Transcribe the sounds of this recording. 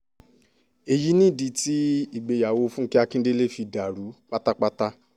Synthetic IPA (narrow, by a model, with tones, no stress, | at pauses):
e˨ji˦nĩ˦˨di˨˧ti˦i˨ɡ͡be˨ja˨wo˧fũ˦ki˦a˧kĩ˦n˦de˦le˦fi˧da˨ɾu˨˦k͡pa˦ta˦k͡pa˦ta˦